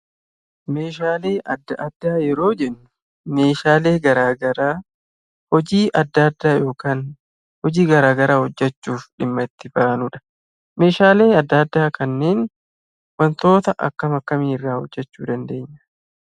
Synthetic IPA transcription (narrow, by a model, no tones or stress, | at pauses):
me̞ːʃaːle̞ːʔɐd̪ːɐʔɐd̪ːaːjɛɾo̞ːd͡ʒɛnːʊ̥ | me̞ːʃaːle̞ːɡɐɾaːɡɐɾaː | hɔd͡ʒiːʔɐd̪ːɐd̪ːaːjo̞ːkaːn | hɔd͡ʒiːɡɐɾaːɡɐɾaːhɔd͡ʒːɛt͡ʃːuːfᶑɪmːɐɪt̪ːɪbaːnʊᶑɐ̥ | me̞ːʃaːle̞ːɐd̪ːɐɐd̪ːaːkɐnːe̞ːn | wɐnt̪o̞ːt̪ɐʔɐ̰kːɐmɐkːɐmiːɪrːaːhɔd͡ʒːɛt͡ʃːuːd̪ɐnd̪e̞ːɲːɐ̥